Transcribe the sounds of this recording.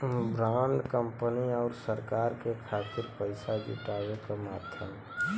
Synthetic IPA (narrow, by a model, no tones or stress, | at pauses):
bɾaːɳɖkəmpəniɔːɾsəɾkaːɾkekʰaːt̪ɪɾpəɪsad͡ʒṵʈaːwekamaːd̪ʱjəm